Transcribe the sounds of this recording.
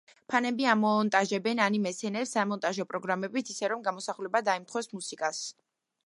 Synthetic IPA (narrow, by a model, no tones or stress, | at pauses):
pʰanɛbiamɔnt̪ʼaʒɛbɛnanimɛsɛnɛɾsamɔnt̪ʼaʒɔpʼɾɔɡɾamɛbit̪ʰisɛɾɔmɡamɔsaχlɛbad̪aimt̪ʰχʰwɛsmusikʼas